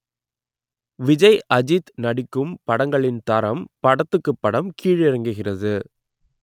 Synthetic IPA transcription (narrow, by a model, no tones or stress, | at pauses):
ʋɪd͡ʒɐɪʔɐd͡ʒɪt̪nɐɽɪkːɯmpɐɽɐŋɡɐɭɪnt̪ɐɾɐmpɐɽɐt̪ːɯkːɯpːɐɽɐmkʰiːɻɛɾɐŋɡɯɣɪrɐðɯ